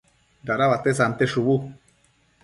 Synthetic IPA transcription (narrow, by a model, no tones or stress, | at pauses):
d̪aɾaβat̪es̬ant̪eʃuβu